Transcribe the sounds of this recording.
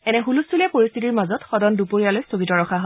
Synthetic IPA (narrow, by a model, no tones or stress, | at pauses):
ɛnɛɦulustʰulɛpoɹist̪ʰitiɹmazɔtxɔdɔndupoɹijalojstʰoɡitɔɹɔkʰaɦo